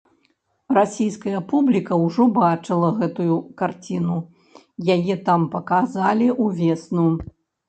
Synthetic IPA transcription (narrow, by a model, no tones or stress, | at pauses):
rasʲijskɐjɐpublʲikɐwʐɔbat͡ʂɨlˠɐɣɛt̪ujukart͡sʲinu | jajɛt̪ampɐkazalʲiʔuvʲɛsnu